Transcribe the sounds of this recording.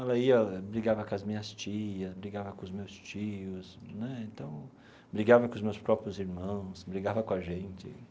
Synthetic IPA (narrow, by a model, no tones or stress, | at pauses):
ɛlɐiɐbɾiɡavɐkõɐzmĩɲɐst͡ʃiɐsbɾiɡavɐkõʊzmewst͡ʃiʊsnɛẽnt̪ɐ̃w̃ | bɾiɡavɐkõʊzmewspɾɔpɾjʊziɾmɐ̃w̃sbɾiɡavɐkõɐʒẽnt͡ʃɪ̰